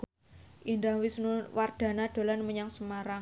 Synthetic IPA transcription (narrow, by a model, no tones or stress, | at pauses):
ʔindaŋwisnuward̪̥a̤nad̪̥o̤lanməɲaŋsəmaɾa